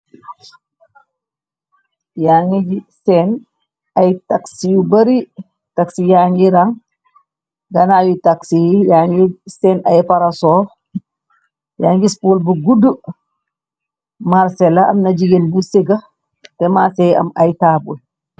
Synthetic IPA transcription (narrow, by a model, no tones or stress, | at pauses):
jaŋid͡ʒisɛn | ɐjtaksijubɐɾi | taksijaɲiɾaŋ | ɡɐnawitaksijjaŋɡisɛnɐjpaɾasɔː | jaːŋɡispolbuɡudu | maɾsɛlɐɐ̰mnɐd͡ʒiɡenbuseɡɐ | tɛmaːsɛjɐ̰mɐjtaːbul